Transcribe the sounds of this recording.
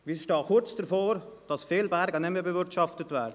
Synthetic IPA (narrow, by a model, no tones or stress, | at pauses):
ʋisʃtɑːkʊɾt͡sd̥əɾfoːɾd̥ɑsfeːlbɛɾɡənɛməbəvɪɾtʃɑftətvɛːɾdə